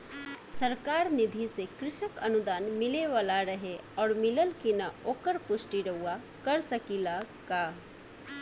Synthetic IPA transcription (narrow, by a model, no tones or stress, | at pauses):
səɾkaːɾnɪd̪ʱisekɾɪʃəkɐnʊd̪aːnmɪleʋaːlaɾɐɦeɔːɾmɪləlkinaoːkəɾpʊʃʈiɾɐɦua | kəɾsəkilakaː